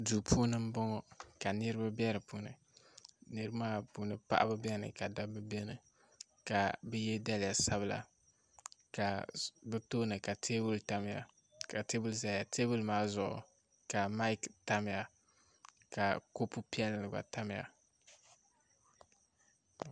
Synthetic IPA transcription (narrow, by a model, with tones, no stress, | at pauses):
duː˨pʰuː˦nɨ˦m̩˦bɔ˦ŋɔ˦ka˨nɨ˦ɾɨ˦ba˦bɛ˦ɾɨ˨puː˦nɨ̰˨ | nɨ˦ɾɨ˦ba˦maː˦puː˦nɨ˨pa̰˦ʔa̰˦bɨ˦bɛ˦˨nɨ̰˨ka˨da˦bɨ˦be˦nɨ˨ | ka˨bɛ˦jɛ˦da˦lɪ˨ja˨sa˦bɨ˨la̰˨ | ka˨bɛ˦toː˦nɨ˨ka˨tʰeː˦bu˦lta˦mɪ˨ja̰˨ | ka˨te˦bu˦lza˦˨ja˨tʰe˦bu˦lmaː˦zʊ˨ʔʊ̰˨ | ka˨ma˦i˦kta˦mɪ˨ja˨ | ka˨ko˦pu˦pi˦ɛ˦llɨ˨ba̰˨ta˦mɪ˨ja̰˨